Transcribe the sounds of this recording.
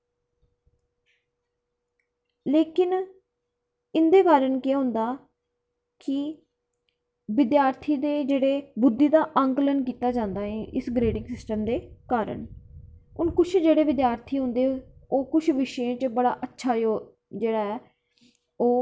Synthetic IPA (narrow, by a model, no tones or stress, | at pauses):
leːkɪn | ɪnd̪eːkaːɾəɳkɪaːɦʊ̃nd̪aː | kɪ | ʋɪd̪jaːɾt̪ʰiːd̪eːd͡ʒeːɽeːbʊd̪ːiːd̪aːʔəŋklənkiːt̪aːd͡ʒãːnd̪aːɦɛ̃ːʔɪsɡɾeːɖɪŋɡsɪsʈəmd̪eːkaːɾə̰ɳ | ʊnkʊt͡ʃʰd͡ʒeːɽeːʋɪd̪jaːɾt̪ʰiːɦʊ̃nd̪eːoːkʊt͡ʃʰʋɪʃjẽːt͡ʃbəɽa̰ːʔətːʃʰaːj | d͡ʒeːɽaːɦɛː | oː